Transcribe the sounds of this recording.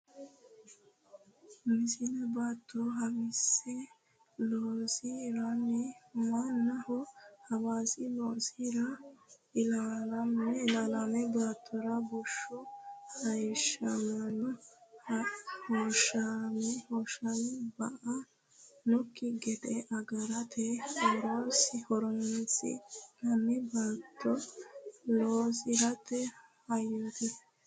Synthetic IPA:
mɪsɪlɐbaːt̪ːɔɦɐwɪsɛ | loːsiɾɐnːɛmanːɐhɔhɐwaːsɪloːsiɾɐɪlaːlɐmɛɪlaːlɐmɛbaːt̪ʰːɔɾɐbɔʃːɔhɐjʃɐnɐnɔhhoʃɐmɛhɔːʃɐnbɐʔɐ | nʊkːɪɡɛd̪ɛʔɐɡɐɾɐt̪ʰɛhɔɾoːsɪhɔɾɔnsɪ̰nɐnːɛbaːt̪ʰːɔ | loːsɪɾɐt̪ːɛhɐjot̪ɪ

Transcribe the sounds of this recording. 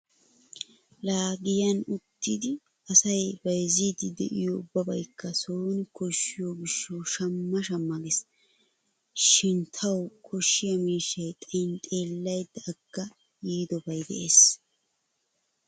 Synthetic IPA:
laːɡɪjɐnʊt̪ːɪd̪ɪ | ɐsɐjbɐjziːd̪ɪd̪ɛ̰ʔɪjoʊbːɐbɐjkːɐsoːnkɔʃːɪjoɡɪʃːɐwʃɐmːɐʃɐmːɐɡɛs | ʃɪnt̪ʰɐwkʰɔʃːɪjɐmiːʃːɐjt̪ʼɐjnt̪ʼe̞ːlːɐjd̪ːɐːɡ̥ːɐ | jiːd̪ɔbɐjd̪ɛ̰ʔeːs

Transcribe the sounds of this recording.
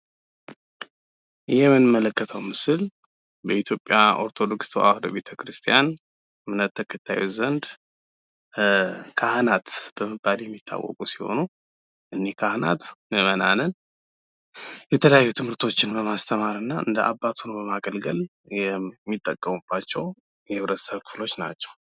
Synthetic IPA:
jɛmɨnɨmːələkːət̪ʰəwmɨsɨl | bəit̪ʰjo̞pʼjaʔo̞ɾt̪ʰod̪o̞kst̪ʰoʔa̰hd̪o̰βe̞t̪ʰəkɾɨst̪ʰijan | mɨnət̪ʰːəkʰət̪ʰːa̰jṵzənd̪ | kʰahnat̪b̥əməbːaljɛmːit̪ʰːa̰wɔ̰kʼusi̥ho̞̰nu | ʔɨnːekʰahna̰t̪nəməna̰nən | jɛt̪ʰələjajːut̪ʰɨmhɨɾt̪ʰo̞t͡ʃːɪnbəmast̪ʰəmaɾɨnːaʔɨnd̪əʔabːat̪ʰunəwbəmaɡəlɡəl | jɛmːit̪ʼːəkʼːəmub̥ːat͡ʃːɛw | jɛhɨβɾət̪səβkʰɨflo̞t͡ʃːna̰t͡ʃːɛ̥w

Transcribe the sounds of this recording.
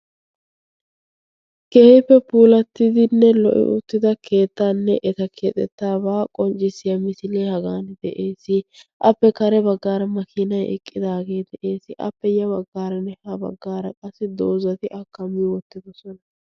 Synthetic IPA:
kɛhɪpːɛpuːlɐt̪ːɪd̪ɪnːɛlɔ̰ʔɪ̰ʔʊ̰t̪ːɪd̪ɐkʰe̞ːt̪ːaːnːɛʔɛt̪ɐkʰeːt̪ʼɛt̪ːaːbaːkʼɔnt͡ʃʼɪsɪjɐmɪsɪleːhɐɡaːnd̪ɛʔeːsːɪʔɐpːɛkɐɾɛbɐɡːaːɾɐmɐkʰɪnɐjɛ̰kʼːɪd̪aːɡe̞ːd̪ɛʔe̞ːsɪʔɐ̰pːɛjɐβɐɡːaːɾɐnɛhɐbɐ̰ɡːaːɾɐkʼɐsːɪd̪oːzɐt̪ɪʔɐkːɐmːɪwɔt̪ːɪd̪ɔsɔnɐ

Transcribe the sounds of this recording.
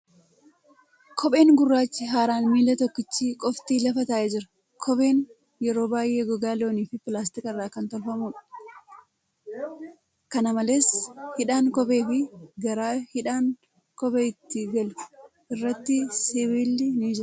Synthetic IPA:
kʰɔɓʼe̞ːŋɡʊrːaːt͡ʃːɪɦaːɾaːnmiːlɐt̪ɔkːɪt͡ʃːiːkʼɔft̪iːlɐfɐt̪aːʔed͡ʒɪɾɐ̥ | kʰɔbe̞ːn | jɛɾo̞ːbaːjʔeːɡɔɡaːlo̞ːniːfɪpɪlaːst̪ɪkʼɪrːaːkɐnt̪ɔlfɐmuːᶑɐ̥ | kɐnɐmɐle̞ːshɪᶑaːŋkɔbe̞ːfɪɡɐɾaːhɪᶑaːŋ | kɔbeːɪt̪ːɪɡɐlʊ̥ | ʔɪrːɐt̪ːɪsɪwɪlːɪniːd͡ʒɪɾ

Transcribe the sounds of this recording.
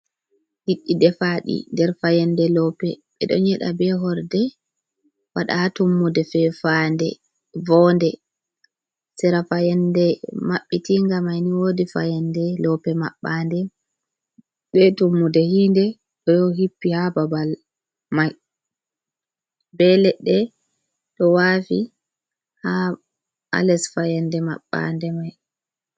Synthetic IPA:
diɗːidɛfaɗḭndɛɾfajɛndɛlɔpɛɓɛɗɔ̰ɲɛɗabɛɦɔɾdɛ | waɗa̰atumːudɛfɛfandɛ̰ | vɔndɛ | sɛɾafajɛndɛmaɓːɛtiŋɡamajniwodifa̰jɛndɛlɔpɛmaɓːandɛ | ɓɛtumːudɛhindɛ | ɔjɔɦipːihababal | maj | bɛlɛɗɛ | ɗɔwafḭ | ha | a̰lɛsfajɛndɛma̰ɓːa̰ndɛmaj

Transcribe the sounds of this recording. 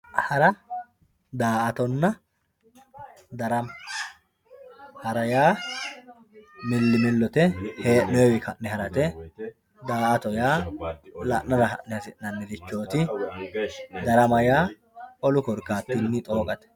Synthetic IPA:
hɐɾɐ | d̪aːʔɐt̪ɔnːɐ | d̪ɐɾɐm | hɐɾɐjaː | mɪlːɪmɪlːɔt̪ɛheːʔnɔjɛwɪkʰɐʔnɛhɐɾɐt̪ɛ | d̪aːʔɐt̪ɔjaːlɐ̰ʔnɐɾɐhɐ̰ʔnɛhɐsɪʔnɐnːɛd̪ɪt͡ʃːo̞ːt̪ɪ | d̪ɐɾɐmɐjaː | ʔɔlʊkɔɾkːaːt̪ːinːɪt̪ʼo̞ːkʼɐt̪ɛ̥

